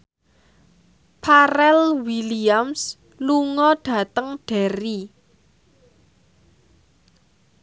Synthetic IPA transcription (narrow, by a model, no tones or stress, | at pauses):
pʰaɾɛlwiliams | luŋɔɖ̥a̤t̪əŋɖ̥ɛ̤ɾi